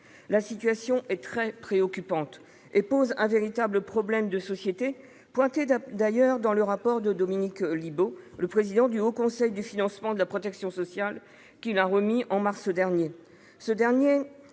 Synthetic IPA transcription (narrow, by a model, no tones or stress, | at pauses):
lasit̪ɥasjɔ̃ʔɛt̪χɛpχeɔkʲypɑ̃t̪ | epozɛ̃veʁit̪abləpχɔblɛmd̪əsɔsjet̪e | pwɛ̃t̪ed̪ajœʁd̪ɑ̃ləʁapɔʁd̪əd̪ɔminikliboləpχezid̪ɑ̃d̪yokɔ̃sɛjd̪yfinɑ̃smɑ̃d̪əlapχɔt̪ɛksjɔ̃sɔsjal | kʲilaʁəmiʔɑ̃maʁsd̪ɛʁnje | səd̪ɛʁnje